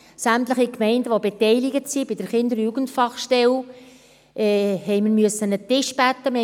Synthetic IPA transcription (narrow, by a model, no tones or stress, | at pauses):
sæmtləχikmɛɪndəʋobetɛɪlɪɡətsibɪd̥əɾχɪnd̪əɾjuɡəntfɑχʃtɛl | ʔɛːhɛɪməɾmyəsːənətɪʃb̥æt̪ːəm